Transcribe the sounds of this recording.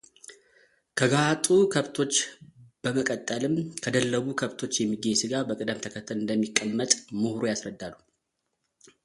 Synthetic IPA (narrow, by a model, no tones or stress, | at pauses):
kʰəɡahat̪ʼukʰəβt̪ʰo̞t͡ʃːb̥əməkʼət̪ʼːəlɨmkʰəd̪əlːəβukʰəβt̪ʰo̞t͡ʃːjɛmːiɡesɨɡabəkʼɨd̪əmt̪ʰəkʰət̪ʰːəlɨnd̪əmːikʼːəmːət̪ʼmɨhɾojasɾəd̪ːalːu